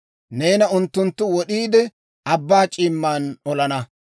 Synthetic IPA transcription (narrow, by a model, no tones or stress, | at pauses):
ne̞ːnɐʊnt̪ːʊnt̪ːʊwɔɗiːd̪ɛ | ɐbːaːt͡ʃʼiːmːaːnɔlɐnɐ